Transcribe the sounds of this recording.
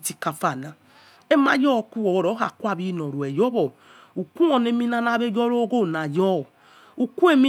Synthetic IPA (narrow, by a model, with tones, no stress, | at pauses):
ti˦ka˨fa˦˨na˨ | e˦ma̰˦jɔ˦˨ku˦wɔ˨wo˨ɾɔ˨˦a̰˨ku˦a˦˨bi˦nɔ˨ɾu˨ɛ˨jɔ˦βɔ˨ | u˨ku˦o˨ne˦mi˦na˦na˦βe˦d͡ʒɔ˦ɾo˦ɡo˦˨na˨jɔ˦˨ | u˨ku˦e˦mi˦